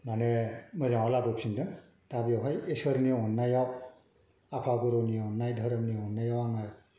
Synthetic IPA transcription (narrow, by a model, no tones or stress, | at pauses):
manemɯzaŋalabɯpsʰindɯn | tabijawɦajesəɾnijaɔnːajaw | apʰaɡuɾonijaɔnːajdʱəɾəmnijɔnːajawaŋaj